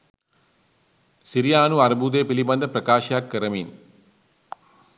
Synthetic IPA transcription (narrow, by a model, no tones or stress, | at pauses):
siɾijaːnuɐɾbuːd̪eːpilibɐnd̪əpɾɐkaːʃjaːkːɐɾɐmiːn